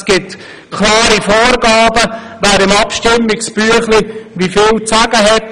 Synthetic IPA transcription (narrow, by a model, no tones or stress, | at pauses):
sɡ̥ɪt | kʰlɑːɾifɔːɾɡɑːbə | ʋæːɾɪmɑpʃtɪmːɪksb̥yəχliʋifɪːlt͡sæɡ̥əɦɛt